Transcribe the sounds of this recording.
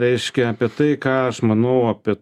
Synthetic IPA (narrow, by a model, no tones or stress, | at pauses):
ɾʲɛɪʃʲkʲɛɐːpʲiɛt̪ɐɪkɑːɐʃmɐnɐʊɐpʲit